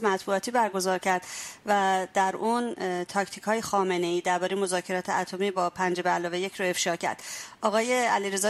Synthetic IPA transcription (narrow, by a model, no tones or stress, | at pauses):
mæt̪ʰbuɒːt̪ʰiːbæɾɡo̞zɒːɾcʰæɾd̪̥væd̪æɾuːnt̪ʰɒːct̪ʰicʰhɒːjexɒːme̞ne̞iːd̪æɾbɒːɾejemo̞zɒːcʰe̞ɾɒːt̪ʰeæt̪ʰo̞miːbɒːpʰænd͡ʒebeælɒːvejecʰɾoe̞fʃɒːcʰæ̰ɾd̪̥ʔɒːɣɒːjeæliɾe̞zɒː